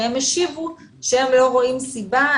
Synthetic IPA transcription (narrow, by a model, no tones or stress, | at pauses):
emeʃivuʃeemlo̞ʁo̞imsiba